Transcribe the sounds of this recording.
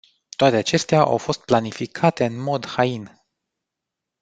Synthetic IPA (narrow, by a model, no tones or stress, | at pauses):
t̪oat̪eat͡ʃe̞st̪eaʔa̰wfo̞st̪̚planifikʰat̪e̞ɨnmo̞d̪hain